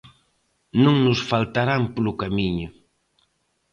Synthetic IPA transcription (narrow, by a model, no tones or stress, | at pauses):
nũŋnʊsfalt̪aɾampolʊkamiɲʊ